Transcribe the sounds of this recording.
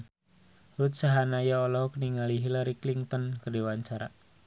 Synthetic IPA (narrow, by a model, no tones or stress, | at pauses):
rut̪saɦanajaɔlɔɦɔkəniŋaliɦilaɾikliŋt̪ɔnkərdiwaɲt͡ʃaɾa̰